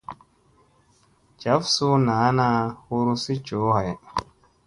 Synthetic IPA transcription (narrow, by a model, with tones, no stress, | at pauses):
d͡ʒa˨˦fsu˦naː˨˦na˦hu˦ɾu˦si˦t͡ʃo˨˦ɦa˨j